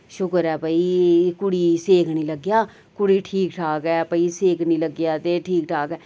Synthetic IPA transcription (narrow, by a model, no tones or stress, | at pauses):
ʃʊkəɾɛːbəiːkʊɽiːseːkʰniːləɡjaː | kʊɽiːʈʰiːkʈʰaːkɛːpəiseːkʰnĩːləɡjaːt̪eːʈʰiːkʈʰaːkɛː